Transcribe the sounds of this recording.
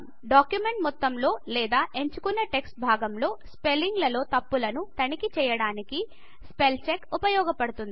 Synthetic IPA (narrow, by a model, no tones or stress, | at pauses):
ɖaːkjume̞ɳʈmɔt̪ːɐmlo̞ːlɛːd̪aːʔe̞ɲt͡ʃukunːɐʈe̞ksʈ̚bʱaːɡɐmlo̞ːspe̞lːiŋɡlɐlo̞ːt̪ɐpːulɐnut̪ɐnikit͡ʃɛːjɐɽaːniki | spe̞lt͡ʃekupɐjɔːɡɐpɐɽut̪und̪i